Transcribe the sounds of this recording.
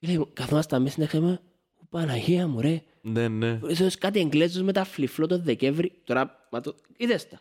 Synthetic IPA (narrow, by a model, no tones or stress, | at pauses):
ilejkɐθomɐst̪ɐmisinekeme | upanɐçeɐmuɾe | neneisoskat̪ieŋɡlezozmet̪ɐfliflot̪oðekevɾit̪oɾɐ | mɐt̪o | iðest̪ɐ̥